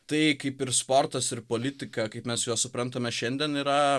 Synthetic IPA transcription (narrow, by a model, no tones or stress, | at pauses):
t̪ɐɪkɐɪpɪɾsport̪ɐsɪrpoːlʲɪt̪ʲɪkɐkɐɪpmʲɛsjoːsʊpɾɐnt̪ɐmʲɛʃʲɛnʲd̪ʲɛniɾɐ